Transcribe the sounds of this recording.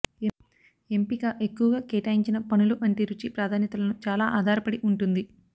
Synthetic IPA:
empikɐʔe̞kːuʋɐɡaːkeːʈaːjiɲt͡ʃinɐpɐnuluʔɐɳʈiɾut͡ʃipɾaːd̪ʱaːnjɐt̪ɐlɐnut͡ʃaːlaːʔaːd̪ʱaːɾɐpɐɽiʔuɳʈund̪i

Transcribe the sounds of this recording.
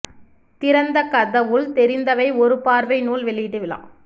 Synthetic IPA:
t̪ɪɾɐnd̪ɐkɐðɐʋɯɭt̪ɛɾɪnd̪ɐʋɐɪɔɾɯpaːɾʋɐɪnuːlʋɛɭːɪjɪʈːɯʋɪɭa̰ː

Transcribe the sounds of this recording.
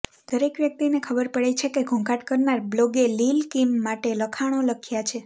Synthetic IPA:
d̪̥əɾekʋjək̚t̪inekʰəbəɾpəɭet͡ʃʰekeɡʱõŋkaʈkəɾnaɾbloɡelilkimːaʈeləkʰaɽ̃oləkʰjat͡ʃʰe

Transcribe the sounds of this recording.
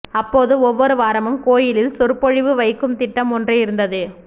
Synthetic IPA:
ɐpːoːðɯɔʋːɔɾɯʋaːɾɐmɯmkoːjɪlɪlsʊɾpɔɻɪʋɯʋɐɪkːɯmt̪ɪʈːɐmɔndrɐɪɾɯnd̪ɐðɯ

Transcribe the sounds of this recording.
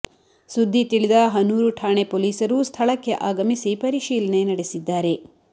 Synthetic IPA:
sud̪ʱːit̪iɭid̪ɐɦɐnuːɾuʈʰaːɳepoːliːsɐɾust̪ʰɐɭɐkːe̞ʔaːɡɐmisipɐɾiʃiːlɐne̞nɐɽesid̪ːaːɾe̞

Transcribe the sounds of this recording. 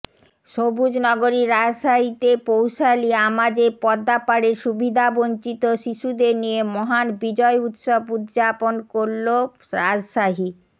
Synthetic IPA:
ʃobud͡ʑnɔɡoɾiɾad͡ʑʃaɦit̪epowʃaliamad͡ʑepɔd̪ːapaɽeɾʃubʱid̪ʱabont͡ɕit̪oʃiʃud̪eɾnijemɔɦanbid͡ʑɔeut̪ʃobut̪d͡ʑaponkoɾlo | ɾad͡ʑʃaɦi

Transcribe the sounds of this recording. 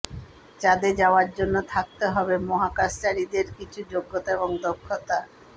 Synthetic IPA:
d͡ʑad̪ed͡ʑaoaɾd͡ʑonːot̪ʰak̚t̪eɦɔbemoɦakaʃt͡ɕaɾid̪eɾkit͡ɕʰud͡ʑoɡːot̪aeboŋd̪okʰːot̪a

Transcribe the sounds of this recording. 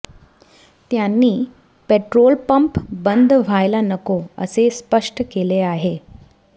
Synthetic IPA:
t̪janːiː | peʈɾolpəmpbənd̪ʱʋ̤ʱajlanəkoə̰sespəʂʈkeleaɦe

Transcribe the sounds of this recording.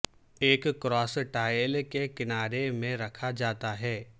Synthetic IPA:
eːkkːɾɔːsʈaːjlkekɪnaːɾemẽɾɐkʰad͡ʒaːt̪aɦɛː

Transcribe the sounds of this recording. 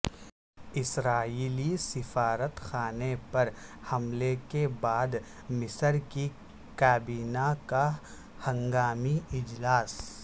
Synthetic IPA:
ɪsɾaːiːlisɪfaːɾət̪xaːnepɐɾhɐmlekebaːd̪ | mɪsəɾki | kaːbiːnaka | hɐ̃ŋɡaːmiɪd͡ʒlaːs

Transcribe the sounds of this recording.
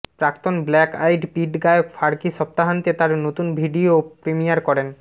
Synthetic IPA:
pɾakt̪onblɛkajɖpiʈɡaeokfaɾkiʃɔp̚t̪aɦant̪et̪aɾnot̪unbʱiɖiopɾemijaɾkɔɾen

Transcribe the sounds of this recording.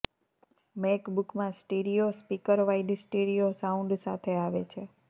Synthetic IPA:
mekbukmãsʈeɖiospikəɾʋaiɖsʈeɽijosaũɳɖsat̪ʰeaʋḛt͡ʃʰe

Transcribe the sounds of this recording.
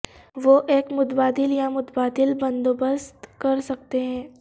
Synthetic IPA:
ʋoʔeːkmʊt̪baːd̪ɪljamʊt̪baːd̪ɪlbɐ̃nd̪obəst̪kɐɾsɐk̚t̪eɦɛ̃ː

